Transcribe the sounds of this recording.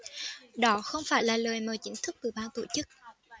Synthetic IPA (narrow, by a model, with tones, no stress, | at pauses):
ɗɔ˨˦xə˧wŋ͡mfaː˧˩jlaː˨˩ləː˨˩jməː˨˩jt͡ɕï˨˦ŋ̟t̪ʰɨ˦˥k̚t̪ɨ˨˩ɓaː˧nt̪o̰˧˩t͡ɕɨ˦˥k̚